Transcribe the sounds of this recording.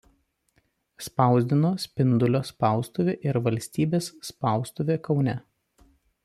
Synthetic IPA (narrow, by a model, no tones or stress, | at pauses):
spɑˑʊzʲd̪ʲɪnoːsʲpʲɪnd̪ʊlʲoːspɑˑʊst̪ʊʋʲeːʔɪɾʋɐlʲsʲt̪ʲiːbʲeːsːpɐˑʊst̪ʊʋʲeːkɒʊnʲɛ